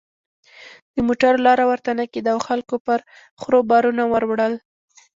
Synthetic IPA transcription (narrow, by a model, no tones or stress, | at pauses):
d̪̥əmoʈaɾolɑɾawaɾt̪anaked̪awxalkopəɾ | xɾobɑɾunawəɾwɽəl